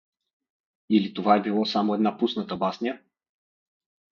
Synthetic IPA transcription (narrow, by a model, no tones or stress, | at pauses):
ilit̪ovaɛbilˠɔsamoɛd̪napusnət̪əbasnʲijə